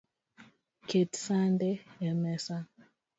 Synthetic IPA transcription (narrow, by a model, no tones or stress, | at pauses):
kʰetsandɛɛmɛsa